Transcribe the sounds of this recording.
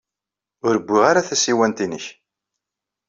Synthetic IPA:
ʊɾəbʷːiʁaɾaθæsiwænt̪inəç

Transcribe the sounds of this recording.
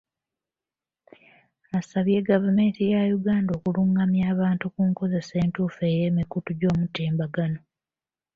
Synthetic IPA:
asaβje̞ɡavume̞ːntijajuɡaːndo̞ːkuluŋɡamjaːβaːntukuŋko̞ze̞se̞ːntuːfe̞ːje̞ːmikutuɟo̞ːmuteːmbaɡano̞

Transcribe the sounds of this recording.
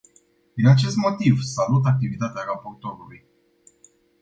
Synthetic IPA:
d̪inat͡ʃe̞st̪mo̞t̪ivsalut̪ak̚t̪ivit̪at̪eaɾapo̞rt̪o̞ɾuluj

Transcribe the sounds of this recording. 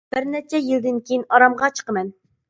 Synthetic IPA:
b̥ɪɾnɛt͡ʃʰɛjild̪ɪnkʲʰejinɑɾɑmʁɑt͡ʃʰə̥qəmɛn

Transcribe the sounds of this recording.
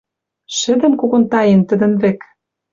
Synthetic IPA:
ʃɘ̆d̪ɘ̆nkoɣont̪ɑjent̪ɘ̆d̪ə̆nvek

